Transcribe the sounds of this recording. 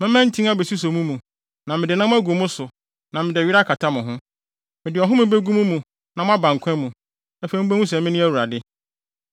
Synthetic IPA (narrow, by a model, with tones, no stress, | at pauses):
mɪ̃˦mɛ̃˦n̩˦tʰĩ˦a˦be˨su˦s̬o˨mũ˦mũ˨ | nã˨mɪ̃˨dɪ˨nã˦m̃˦æ˦ɡu˨mʊ̃˦sʊ˨ | nã˨mɪ̃˨dɪ˨ɥi˦ɾa˦kʰa˨tʰa˦mʊ̃˨ɦʊ̃˦ | mɪ̃˨dɪ˨ɔ˨ɦʊ̃˦mɪ̃˦be˦ɡũ˦mũ˦mũ˨ | nã˨m̃˦a˦bã˨ŋ˨kʷʰɛ̃˦mũ˨ | æ˦fe˨˦m̩̃˦bæ˦hũ˦sɛ˨mɪ̃˦nɪ̃˦æ˦˨wu˨ɾa˨dɪ˦